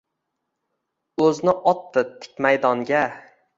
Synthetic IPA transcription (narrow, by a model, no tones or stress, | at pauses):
ɵznɪʔɒt̪ːɪt̪ʰɪ̥k̚ʲmajd̪ɒŋɡʲa